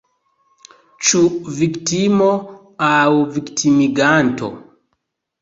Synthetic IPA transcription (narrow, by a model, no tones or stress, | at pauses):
t͡ʃuviktimo | awviktʰimiɡanto̰